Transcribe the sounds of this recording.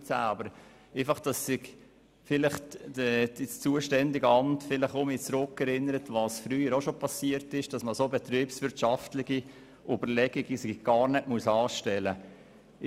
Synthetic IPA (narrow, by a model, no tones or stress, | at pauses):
sæ̰ːɑbəɾ | ɛfɑχd̥ɑsːɪɡ | fɪlɪχdəd̥ist͡suːəʃtɛndɪɡəɑmtfɪləχomit͡sɾʊkːɛɾɪnəɾətʋɑːsfɾyːəɾoʃopʰɑsiəɾtɪʃd̥ɑsməsobɛt̪ɾiːpsʋʏɾtʃɑftlɪɡi | ʔybəɾlɛɡ̥iɡisɪɡ̥ɑːɾnɛtmuəsɑːʃtɛlə